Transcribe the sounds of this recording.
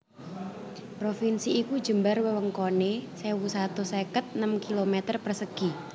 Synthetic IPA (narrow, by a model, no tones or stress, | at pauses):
pɾofinsiːkud͡ʒəmbarwəwəŋkonesewusat̪usekət̪̚nəmkilomet̪ərpərsəɡ̥i